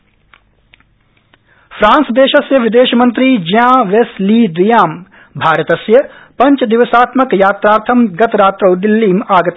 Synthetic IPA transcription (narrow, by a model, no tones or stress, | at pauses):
fʰɾãːnsd̪eːʃɐsjɐʋɪd̪eːʃmɐ̃nt̪ɾiːd͡ʒjãːʋesliːd̪ʋɪjaːm | bʱaːɾət̪ɐsjɐpɐ̃ɲt͡ʃd̪ɪʋəsaːt̪mɐkjaːt̪ɾaːɾt̪ʰɐmɡɐt̪ɾaːt̪ɾɐːd̪ɪlːiːmaːɡɐt̪